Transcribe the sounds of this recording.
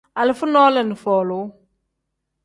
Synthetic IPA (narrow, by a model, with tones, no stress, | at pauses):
a˨lɪ˨˦fʊ˦nɔː˦lə˨nɪ˨fɔː˨lʊ˨˦